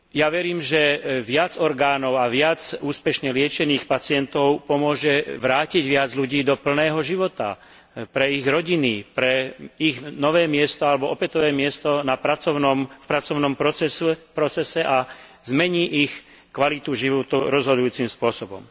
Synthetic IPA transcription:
jaʋɛɾiːmʒɛʋɪad͡zɔɾɡaːnɔʊaʋɪad͡zuːspɛʃɲɛlɪɛt͡ʃɛniːxpat͡sɪɛnt̪ɔʊpɔmʊɔʒɛʋɾaːciɟʋɪad͡zʎuɟiːd̪ɔpl̩nɛːɦɔʒiʋɔt̪a̰ | pɾɛiɣɾɔɟinipɾɛiɣnɔʋɛːmɪɛst̪ɔalɛbɔʔɔpɛt̪ɔʋɛːmɪɛst̪ɔnapɾat͡sɔnɔmfpɾat͡sɔʊnɔmpɔɛspɾɔt͡sɛsɛʔa | zmɛɲiːʔix | kʋalit̪uʒiʋɔt̪uɾɔzɦɔd̪ujuːt͡simspʊɔsɔbɔ̰m

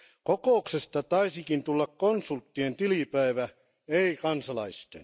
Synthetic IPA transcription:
kokoˑuksest̪ɑt̪ɑisikint̪ulːɑkkonsult̪ːient̪ilipæiʋæ | eikɑnsɑlɑist̪en

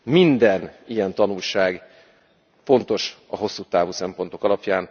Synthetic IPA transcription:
mind̪ɛnijɛnt̪ɒnulʃaːɡ | fo̞nt̪o̞ʃɒɦo̞sːuːt̪aːvuːsɛmpo̞nt̪o̞kɒlɒpjaːn

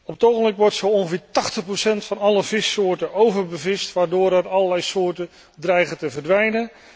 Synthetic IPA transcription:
ɔpətowχənblɪkʋɔɹtsowɔ̃nχəvɪːɹtɑχtəχprowsɛntfɑnɑləvɪsoːɹtəʔowvəɹbəvɪstʋaːɹdʊːɹɛrɑlˠəlɛjsʊːɹtə | drɛjχətəvərdʋɛjnə

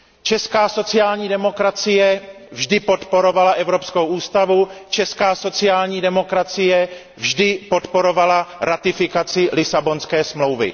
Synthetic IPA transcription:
t͡ʃɛskaːso̞t͡sɪjaːlɲiːdɛmo̞kɾat͡sɪjɛ | vʒdɪpo̞t̪po̞ɾo̞valaʔɛvɾo̞psko̞wʔuːst̪avut͡ʃɛskaːso̞t͡sɪjaːlɲiːdɛmo̞kɾat͡sɪjɛ | vʒdɪpo̞t̪po̞ɾo̞valaɾat̪ɪfɪkat͡sɪlɪsabo̞nskɛːsmlo̞wvɪ̰

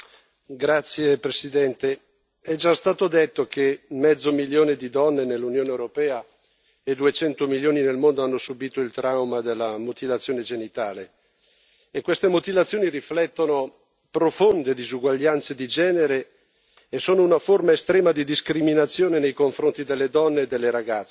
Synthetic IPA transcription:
ɡɾat̪sːjepɾesid̪ɛnt̪e | ɛd͡ʒast̪aːt̪od̪et̪ːokʰemːɛd̪zːomiljoːned̪id̪ɔnːenelːunjoːneewɾopɛːa | ed̪uet͡ʃɛnt̪omiljoːninelmond̪oanːosubiːt̪oilt̪ɾawmad̪elːamot̪ivat̪sːjoːned͡ʒenit̪aːleː | kːwest̪emot̪ivat̪sːjoːniriflɛt̪ːono | pɾofond̪ed̪izuɡwaʎːant̪sed̪id͡ʒɛːneɾeː | soːnounaformaest̪ɾɛːmad̪id̪iskɾiminat̪sːjoːnenejkoɱfɾont̪id̪elːed̪ɔnːeːd̪ːelːeɾaɡat̪sːe

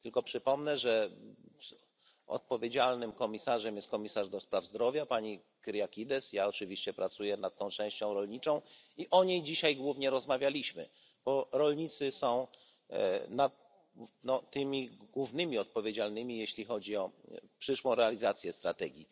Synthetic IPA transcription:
t̪ɘlkɔpʂɘpɔmnɛʐɛ | ɔ̰t̪̚pɔvʲjed͡ʑalnɘmkɔmʲisaʐɛmjɛst̪̚kɔmʲisaʐd̪ɔspɾavzd̪ɾɔvʲjapaɲi | kɾjakʲid̪ɛsjaɔt͡ʂɘvʲiɕt͡ɕɛpɾat̪sujɛnat̪̚t̪ːɔ̃w̃t͡ʂɛ̃w̃ɕt͡ɕɔ̃w̃ɾɔlɲit͡ʂɔ̃w̃iʔɔɲejd͡ʑiɕajɡwuvɲɛɾɔzmavʲjalʲiɕmɘ̰ | b̥ɔɾɔlɲit̪sɘsɔ̃w̃ | nat̪̚ | nɔt̪ɘmʲiɡwuvnɘmʲiɔt̪̚pɔvʲjed͡ʑalnɘmʲijeɕlʲixɔd͡ʑiɔpʂɘʂwɔ̃w̃ɾɛalʲizat̪sʲjɛst̪ɾa̰t̪ɛɡʲḭ

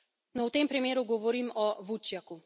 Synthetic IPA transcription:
nɔwt̪empɾimeːɾuɡɔʋɔɾiːmɔʋut͡ʃjaku

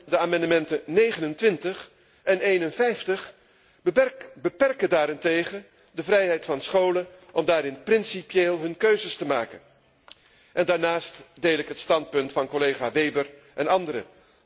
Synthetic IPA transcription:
dəaːmɑndəmɛntənejχənəntʋɪntəχ | ɛnejnənvɛjftəχ | bəpɛrkədaːɾɪntejχən | dəvrɛjɦɛjtfɑnsχowlən | ʔɔmdaːɾɪnprɪnsipjeːlˠɦɵnkøɥzəstəmaːkə̰n | ʔɛndaːɹnaːstdejlɪkɦətstɑnt̚pɵntfɑnkolejχaːʋejbəɹ | ʔɛnɑndəɾə̰

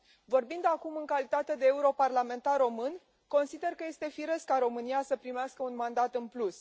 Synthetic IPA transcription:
vo̞rbind̪akumɨŋkalit̪at̪e̞d̪eːuɾo̞parlame̞nt̪arːo̞mɨn | ko̞nsid̪e̞rkəje̞st̪e̞fiɾəskaɾo̞mɨnijasəpɾimeaskəunmand̪at̪ɨnplus

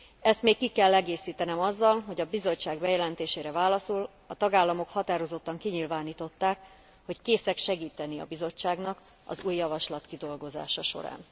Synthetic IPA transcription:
ɛst̪meːkkːikɛlːɛɡeːsiːt̪ɛnɛmɒzːɒlɦo̞ɟɒbizo̞t͡ʃːaːɡbɛjɛlɛnt̪eːʃeːɾɛvaːlɒsul | ɒt̪ɒɡaːlːɒmo̞khɒt̪aːɾo̞zo̞t̪ːɒŋkiɲilvaːniːt̪o̞t̪ːaːk | ho̞ckeːsɛkʃɛɡiːt̪ɛniɒ̰bizo̞t͡ʃːaːɡnɒkɒ̰zuːjːɒvɒʃlɒt̪kid̪o̞lɡo̞za̰ːʃɒʃo̞̰ɾa̰ːn

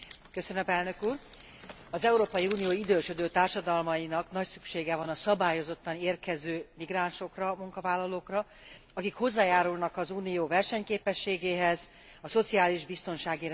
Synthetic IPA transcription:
kø̞sønømpɛlnø̞kuːr | ɒzɛuɾoːpɒjiuːnijoːid̪øːʃød̪øːt̪aːrʃɒd̪ɒlmɒjinɒknɒcsykʃeːɡɛvɒnɒsɒbaːjo̞zo̞t̪ːɒneːrkɛzøːmiɡraːnʃo̞krɒmuŋkɒvaːlːɒloːkrɒ | ɒkikho̞zːaːjaːɾulnɒkɒzuːnijoːvɛrʃɛɲkeːpɛʃːeːɡeːɦɛz | ɒso̞t̪siaːliʒbist̪o̞nʃaːɡiɾ

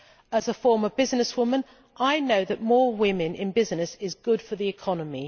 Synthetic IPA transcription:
əzəfɔːməbɪznɪswʊmə̃n | ʔaɪnəʊðəʔ̚mɔːwɪ̃mɪ̃nɪ̰̃nbɪznɪsɪzɡʊd̥fəðiɪkʰɒnəmi

